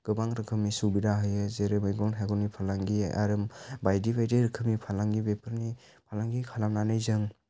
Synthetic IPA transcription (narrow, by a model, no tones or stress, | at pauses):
ɡ̥ɯbaŋɾɯkʰɯmnisubidaɦɯjɯzeɾemɯjɡɔnɦeɡɔnipʰalaŋɡiʔa̰ɾɯmbajdibajdiɾɯkʰɯmnipʰalaŋɡibepʰɯɾni | pʰalaŋɡikʰalamnanɯjzɯŋ